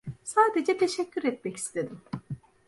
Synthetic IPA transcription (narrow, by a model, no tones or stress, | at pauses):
saːd̪e̞d͡ʒɛt̪ʰe̞ʃɛcːyɾɛt̪̚mɛci̥st̪ʰe̞d̪im